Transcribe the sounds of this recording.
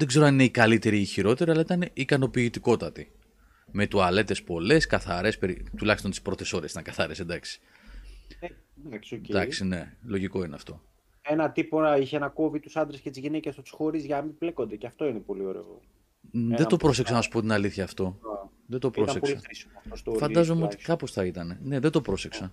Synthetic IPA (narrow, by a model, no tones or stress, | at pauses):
ðe̞ɡze̞ɾoɐnine̞ikɐlit̪e̞ɾiːçiɾo̞t̪e̞ɾiɐlɐit̪ɐneikɐno̞piːt̪iko̞t̪ɐt̪i | me̞t̪uɐle̞t̪e̞spo̞le̞skɐθɐɾe̞speɾit̪ulɐçist̪o̞nt̪i̥spɾo̞t̪e̞so̞ɾesi̥t̪ɐŋkɐθɐɾesend̪ɐksi̥ | ɐksod̪ɐksine̞lo̞ʝiko̞ineɐft̪o̞̰ | enɐt̪ipoiçeenɐko̞vit̪usɐnd̪ɾescet̪izʝinecesɐt̪u̥sxo̞ɾizʝɐmibleko̞nd̪eceɐft̪o̞inepo̞lioɾe̞̰o̰ | ðed̪opɾo̞s̬eksɐnɐsu̥po̞t̪inɐliθçɐːft̪o̞ | ðed̪opɾossesɐɾisiɐt̪ost̪ofɐnd̪ɐzomeo̞t̪i̥kɐpo̞sθɐit̪ɐne̞ne̞ðed̪o̞pɾo̞se̞ksɐ